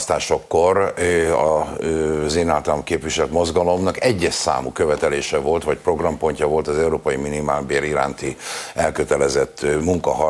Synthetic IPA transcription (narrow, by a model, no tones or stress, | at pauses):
st̪aːʃo̞kːorɒ | zeːnaːlt̪ɔlmkeːpʋiʃɛlt̪mo̞zɡɒlo̞mnɒkɛɟːɛsːa̰ːmukøvɛt̪ɛleːʃɛvo̞lt̪ʋɒcpro̞ɡrɒmpo̞ɲcɒvo̞lt̪ɒzɛuɾoːpɒjiminimaːlbeːɾiɾa̰ːnt̪iɛlkøt̪ɛlɛzɛt̪ːmuŋkɒɦɒ